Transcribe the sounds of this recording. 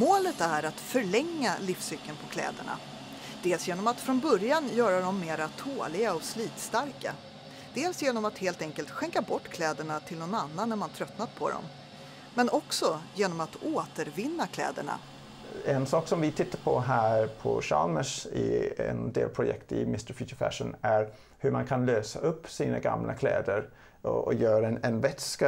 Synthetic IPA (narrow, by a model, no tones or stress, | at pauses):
moːlət̪æɾat̪fœɭɛŋːalɪfsʏkːənpʰɔkʰlɛ̰ːd̪ə̰ɳa̰ | d̪̥eːlsjeːnɔmat̪fɾɔnbœɾjanjœːɾad̪ɔmːeːɾat̪ʰoːlɪɡaɔsliːt̪st̪aɾka̰ | d̪̥eːlsjeːnɔmat̪heːlt̪ɛŋkəlt̪ɧɛŋkabɔʈːkʰlɛːd̪əɳat̪ʰɪlnɔnanːanːæɾmant̪ʰɾœt̪nat̪̚pʰɔ̰d̪ɔ̰m | mɛnʔɔksɔjeːnɔmat̪oːt̪əɾvɪnːakʰlɛ̰ːd̪ə̰ɳa̰ | ɛnsɑːksɔmvɪt̪ʰɪt̪ːaɾpʰɔɦæːɾpʰɔ̰ɕɑ̰lməʂɪɛ̰nd̪eːlpʰɾʊjɛ̰kt̪ɪ̰mɪst̪əɾfjʉːt̪əfæ̰ʂənæɾ | hɵɾmankʰanløːsaɵpːsiːna̰ɡa̰mlʔa̰kʰlɛ̰ːd̪əɾ | ɔ̰jœːɾaɛnvɛt̪ska